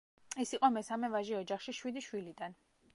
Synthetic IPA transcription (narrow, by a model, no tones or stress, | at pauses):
ɛsiqʼɔmɛsamɛvaʒiɔd͡ʒaχʃiʃwid̪iʃwilid̪an